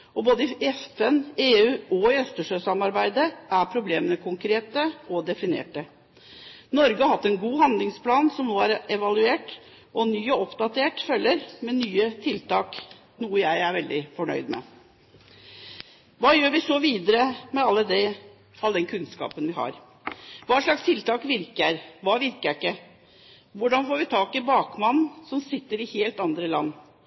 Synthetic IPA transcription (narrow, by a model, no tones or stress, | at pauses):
ɔboːd̪əɛfɛneːʉːɔɪœst̪əʂøːsɑmɑɾbæɪd̪əʔæɾpʰɾʊbleːmənəkʰʊŋkɾeːt̪əɔd̪ɛfɪnḛːʈə | nɔɾɡəɑɾhɑt̪ːɛnɡuːɦɑnd̪lɪŋspʰlɑːnsɔmnoːæɾɛʋɑlʉeːʈ | ʔɔnyːɔɔpd̪ɑt̪ʰeːʈfœlːəɾmɛnyːət̪ʰɪlt̪ɑːk | nuːəjæɪæɾʋɛld̪ɪfɔɳœ̰ʏd̪mɛ̰ | ʋɑːjøːɾʋɪsɔʋiːd̪əɾəmɛɑlːəd̪ɛ | ɑld̪ɛnkʰʉnskɑ̰ːpənʋɪhɑ̰ɾ | ʋɑːʂɭɑkst̪ʰɪlt̪ɑːkʋɪɾkəɾʋɑːʋɪɾkəɾɪkːə | ʋʊɖɑnfoːɾʋɪt̪ʰɑːkɪbɑːkmɑnnsɔmsɪt̪ːəɾɪheːlt̪ɑnd̪ɾəlɑnː